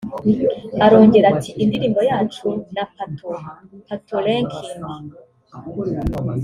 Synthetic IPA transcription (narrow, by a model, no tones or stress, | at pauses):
aɾo̞ːɲɟe̞ɾatʰiʔindiɾiːmbo̞jaːt͡ʃunapatopatʰoleŋkʰimi